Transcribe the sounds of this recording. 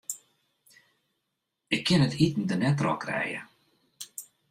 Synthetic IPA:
ɪkʰːɪnətitn̩dənɛtrɔ̰krɛ̰jə̰

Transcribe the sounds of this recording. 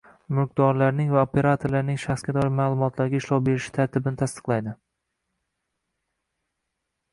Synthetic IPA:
mɪq̚d̪ɒɾlaɾnɪŋvaopʰe̞ɾat̪ʰoɾlaɾnɪŋʃaχsɡʲad̪ɒɾɪmaːlˠʊmɒt̪ʰlaɾɡʲaɪʃlˠɒwbe̞ɾɪʃɪ̥t̪ʰaɾt̪ʰɪbɪnɪt̪ʰast̪ɨ̥qlˠajd̪ɪ

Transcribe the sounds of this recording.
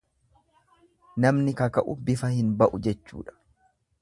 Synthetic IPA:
nɐmnɪkɐkɐʔʊbɪfɐhɪnbɐʔʊd͡ʒɛt͡ʃːṵːᶑɐ̥

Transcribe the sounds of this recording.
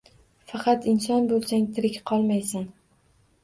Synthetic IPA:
fɑqʰɑt̪ɪnsɒnbolˠsaŋʲt̪ʰɪɾɪkʲqʰɒlˠmajsan

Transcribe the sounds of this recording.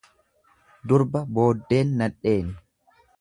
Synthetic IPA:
d̪ʊɾbɐbo̞ːd̪ːe̞ːnːɐᶑe̞ːn

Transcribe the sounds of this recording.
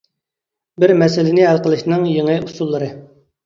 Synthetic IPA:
bɪɾmɛsɪlɪnɪæɾqəlˠɨʃnɨŋjeŋɨjusulˠːəɾɨ

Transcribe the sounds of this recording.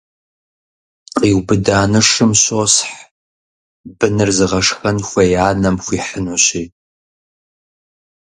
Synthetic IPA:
qiːwbɨdaːnɨʂɨmɕosħ | bɨnɨrzɨʁɐʂxɐnxʷɐjaːnɐmxʷiːħənuːɕiː

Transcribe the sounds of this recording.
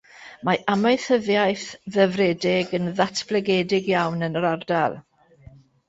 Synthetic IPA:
maamajθəðjajθðəvrɛːdɪɡənðatʰb̥lɛɡɛːdɪɡjawnənəɾardalˠ

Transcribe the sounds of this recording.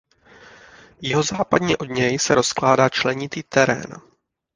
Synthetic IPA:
jɪɦo̞zaːpadɲɛʔo̞dɲɛjsɛɾo̞sklaːdaːt͡ʃlɛɲɪt̪iːt̪ɛɾɛ̰ːn

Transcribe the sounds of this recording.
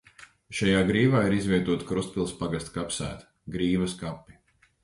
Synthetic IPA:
ʃajaːɡɾiːvaːiɾizvʲiɛt̪uɔt̪kɾust̪̚pʲilˠspaɡast̪kapsæ̰ːt̪ | ɡɾiːvɐskapʲːi

